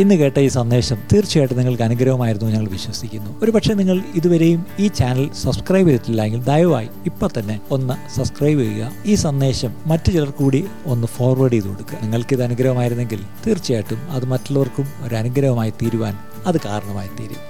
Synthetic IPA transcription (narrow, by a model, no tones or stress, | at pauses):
inːɨke̞ːʈːɐiːsɐnːe̞ːɕɐmt̪iːrt͡ɕːijeːʈːɨniŋːɐɭkɐnuɡɾɐʋɐmaːjiɾunːuɲɐŋːɐɭʋiɕwɐsikʲːunːuo̞ɾupɐʈʂe̞niŋːɐɭiðuʋɐɾe̞jumiːt͡ɕaːnɐlsɐbskrɐjbiɾitːilːɐjeŋɡild̪ɐjʋɐʋa̰ːjiipːoːt̪ɐnːe̞o̞nːɐsɐbskrɐjbeɣɣɐiːsɐnːe̞ːɕɐmːɐtːɨt͡ɕilɐrkuːɽi | o̞nːɨfo̞ːrʋɐɽiiðukoɽukːɨniŋːɐɭkiðɐnuɡɾɐʋɐmaːjiɾunːe̞ŋɡil | t̪iːrt͡ɕːijeːʈːumɐðɨmɐtːɐɭːɐʋɐrkumo̞ɾɐnuɡɾɐʋɐmaːjit̪iːɾuʋaːn | ɐðɨkaːɾɐɳɐmaːjit̪iːɾṵ